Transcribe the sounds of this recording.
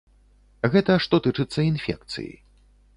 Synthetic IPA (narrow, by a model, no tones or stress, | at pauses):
ɣɛt̪ɐʂt̪ɔt̪ɨt͡ʂɨt̪sːɐinfʲɛ̰k̚t̪sɨ̰jḭ